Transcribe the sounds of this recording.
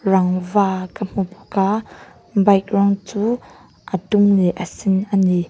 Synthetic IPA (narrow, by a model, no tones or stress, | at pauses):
raŋvaːkəm̥upu̥ka | bajk̚rɔŋt͡suː | ʔətumlɛʔəsinʔəni